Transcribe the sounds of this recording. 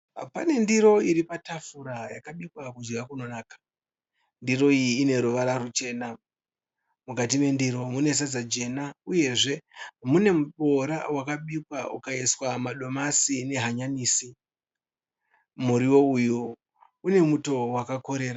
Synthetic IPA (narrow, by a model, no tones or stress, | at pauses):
pane̞ndiɾo̞iɾipatafuɾajakaɓikwakud͡ʒɡʱakuno̞naːkḁ | ndiro̞iːne̞ɾuʋaɾarut͡ʃe̞ːna | mukat̬ime̞ndiːɾo̞mune̞s̬ad͡zad͡ʒe̞nauje̞ʐe̞mune̞muɓo̞ɾa̰wakaɓikwaṵkaiswamaɗo̞masine̞ɦaɲaniːsi | muɾiwo̞uju | une̞muto̞wakako̞ɾe̞ːɾa